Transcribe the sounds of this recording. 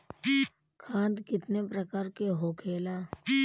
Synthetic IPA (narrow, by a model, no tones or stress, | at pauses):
kʰãːnd̪kɪt̪nepɾəkaːɾkeɦokʰeːlaː